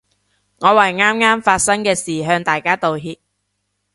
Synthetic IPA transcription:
ŋɔː˨˧wɐ˨jŋaː˥mŋaː˥mfaː˧t̚sɐ˥ŋkɛː˧siː˨˩ɦœː˧ŋt̪aː˨jkaː˥t̪o˨wɦiː˧p̚

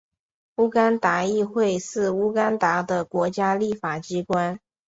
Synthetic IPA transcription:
u˥ka˥nt̪a˧˥i˥˧xwe˥˧ɪʂɻ̩˥˩u˥ka˥nt̪a˧˥d̪ə˧kwɔ˧˥t͡ɕja˥li˥˩fa˨˩t͡ɕi˥kwa˥n

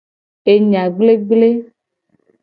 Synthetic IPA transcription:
e˨ɲã˨ɡ͡ble˦ɡ͡ble˦

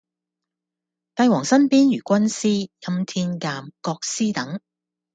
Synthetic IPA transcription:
t̪ɐ˧jwɔː˨˩ŋsɐ˥npiː˥njyː˨˩kʷɐ˥nsiː˥jɐ˧mt̪ʰiː˧nkaː˧mkɔː˧k̚siː˥t̪ɐ˨˥ŋ

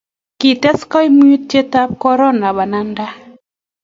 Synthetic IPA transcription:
ki˨tɛ˦skɔ˦jmu˦ju˦ttje˦ta˦p̚kɔ˦ɾɔ˦na˨ba˨na˦nda˦

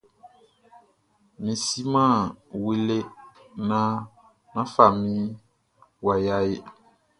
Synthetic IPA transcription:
mĩ˨si˦mã˦˨wi˦le˦ | nã˦ | nã˦fa˨mĩ˦ | wa˨ja˦je˦

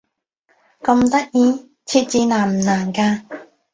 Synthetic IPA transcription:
kɐ˧mt̪ɐ˥k̚jiː˧ | t͡sʰi˧t̚t͡siː˧naː˨˩m̩˨˩naː˨˩nkaː˧

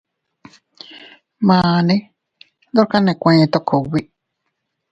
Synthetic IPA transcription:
mãː˨nĩ˦ | ðo˦ɾka˦nẽ˨kʷẽ˧˨t̪o˦kʰo˨wi˦

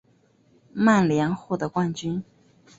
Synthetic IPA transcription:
ma˥˩nljɛ˧˥ŋxwɔ˥˩d̪ə˩kwa˥˩nt͡ɕy˥n

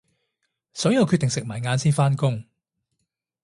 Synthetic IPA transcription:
sɔː˨˥jɐ˨˧wkʰy˧t̪ɪ˨˩ŋsɪ˨k̚maː˨˩jŋaː˨˧nsiː˥nfaː˥nkʊ˥ŋ

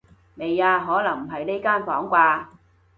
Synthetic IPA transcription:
me˨jaː˧ɦɔː˨˥lɐ˨˩ŋm̩˨˩ɦɐ˨jne˥jkaː˥˩nfɔː˨˥ŋkʷaː˧

